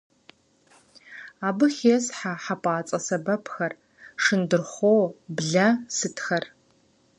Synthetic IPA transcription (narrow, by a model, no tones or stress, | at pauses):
aːbɨxʲesħaħapʰʼaːt͡sʼɐsɐbɐpʰxɐr | ʂɨndɨrχʷoːwbɮɐsɨtʰxɐr